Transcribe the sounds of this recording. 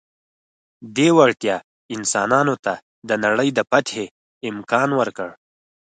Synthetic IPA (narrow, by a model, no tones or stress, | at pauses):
d̪ewaɽt̪jɑ | ɪnsɑnɑnot̪a | d̪ənaɽəjd̪əpat̪he | ɪmkɑnwəɾkəɽ